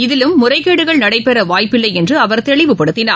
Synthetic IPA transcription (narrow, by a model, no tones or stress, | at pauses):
ɪðɪlɯmːʊrɐɪkːeːɽɯɣɐɭnɐɽɐɪpɛɾɐʋaːjpːɪlːɐɪɛndrɯɐʋɐɾt̪ɛɭɪʋɯpɐɽɯt̪ːɪnaː